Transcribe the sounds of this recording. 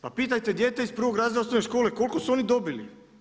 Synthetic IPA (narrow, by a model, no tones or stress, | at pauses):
papiːt̪ajt̪e̞d̪je̞ːt̪eispr̩ʋo̞ɡɾaːziosneʃko̞ːleko̞lkosuo̞nid̪o̞bilḭ